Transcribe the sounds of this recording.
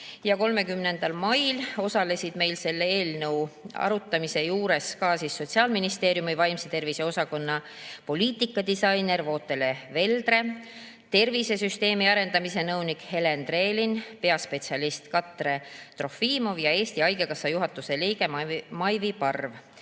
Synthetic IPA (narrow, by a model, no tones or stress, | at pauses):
jɑko̞lme̞kymne̞nd̪̥ɑlmɑjlo̞sɑle̞sid̪̥me̞jlse̞lːeeːlnɤwɑ̰ɾut̪ːˑɑmise̞juːɾe̞skɑːsisːo̞t̪ʲsiɑːlminist̪e̞ːɾjumivɑjmset̪e̞rvise̞o̞sɑko̞nːɑ | po̞lʲiːt̪ˑikːˑɑd̪isɑjne̞rvo̞ːt̪ːˑe̞le̞ve̞ld̪re̞ | t̪e̞rvise̞syst̪e̞ːmiɑɾe̞nd̪ɑmise̞nɤwnikhe̞le̞nd̪re̞ːlinpe̞ɑspe̞t̪siɑlist̪kɑt̪ːˑre̞t̪ro̞fiːmo̞vjɑe̞ːst̪iɑjɡ̥e̞kɑsːɑjuɦɑt̪ːˑuse̞lijɡ̥e̞mmɑjvipɑrv